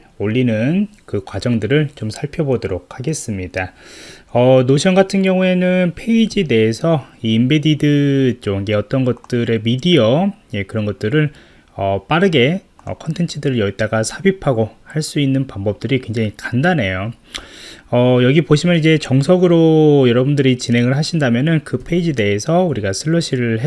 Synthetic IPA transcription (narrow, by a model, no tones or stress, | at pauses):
oʎːinɯnkɯkwad͡ʑʌŋdɯɾɯɭt͡ɕomsʰaɭpʰjʌbodoɾokʰhaɡe̞s͈ɯmɲida | ʌnoɕʰjʌŋɡatʰɯnɡjʌŋue̞nɯnpʰe̞id͡ʑide̞ːsʰʌiːmbedidɯt͡ɕ͈oɡeʌt͈ʌnɡʌt̚t͈ɯɾe̞midiʌje̞kɯɾʌnɡʌt̚t͈ɯɾɯɭ | ʌp͈aɾɯɡe̞ʌ̰kʰʌntʰe̞nt͡ɕʰɯdɯɾɯɭjʌit͈aɡasʰabipʰaɡohaɭs͈uinːɯnpaŋbʌp̚t͈ɯɾikwe̞ŋd͡ʑaŋikandane̞jo | ʌjʌɡipoɕʰimjʌnid͡ʑe̞t͡ɕʌŋsʰʌɡɯɾojʌɾʌbundɯɾit͡ɕinɦe̞ŋɯɭɦaɕʰindamjʌnɯnkɯpʰe̞id͡ʑide̞ːsʰʌuɾiɡasʰɯɭːʌɕʰiɾɯɭɦe